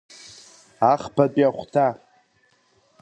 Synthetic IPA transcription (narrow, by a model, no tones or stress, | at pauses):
aχpat͡pʼjaχʷtʰa